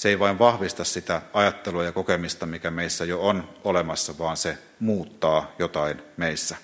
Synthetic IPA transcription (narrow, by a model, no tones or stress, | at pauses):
seiʋɑiʋʋɑhʋist̪ɑssit̪æɑjɑt̪ːeluɑjɑkokemist̪ɑmikæmeisːæjoonolemɑsːɑʋɑːnse | muːt̪ːɑːjot̪ɑinmeisːæ